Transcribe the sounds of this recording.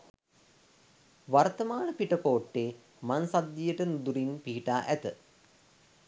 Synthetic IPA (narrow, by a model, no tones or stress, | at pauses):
ʋart̪ɐmaːɳəpiʈəkoːʈːeː | mansad̪jijəʈənud̪uɾinpiɦiʈaːʔæt̪ə